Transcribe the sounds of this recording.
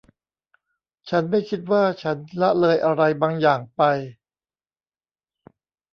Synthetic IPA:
t͡ɕʰa˦˥nma˥˩jkʰi˦˥t̪̚waː˥˩t͡ɕʰa˦˥nla˦˥ʔlɤː˧jʔa˧ɾa˧jbaː˧ŋjaː˨˩ŋpa˧j

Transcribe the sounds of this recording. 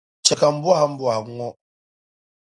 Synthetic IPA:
t͡ʃɛ˨ka˨m̩˦bwa˦hm̩˦bwa˨ŋɔ˦

